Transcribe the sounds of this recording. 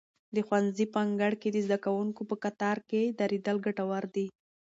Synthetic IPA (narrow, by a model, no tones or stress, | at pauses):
d̪əxwanzipaŋɡaɽked̪əzd̪akawuŋkopəkat̪ɑɾked̪aɾed̪əlɡaʈawaɾd̪i